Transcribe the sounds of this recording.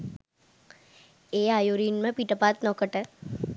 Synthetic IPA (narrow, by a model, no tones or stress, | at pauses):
eajoɾiːnmẽpiʈəpaːt̪nɔkəʈe